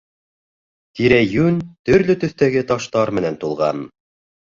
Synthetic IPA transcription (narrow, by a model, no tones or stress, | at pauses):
t̪iɾæjʉnt̪ɵ̆ɾlɵt̪ɵ̆θt̪æɡɘt̪ɑʃt̪ɑɾmɘ̆nænt̪ulˠʁɑ̰n